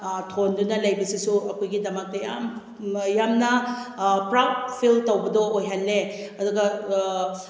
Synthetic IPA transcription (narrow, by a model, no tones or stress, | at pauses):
tʰondunɐlɐjbɐsisuɐkʰojɡidɐmɐk̚tɐjam | jamnɐ | pɾap̚pʰiltɐwbɐdoːjɦanːeɐduɡɐ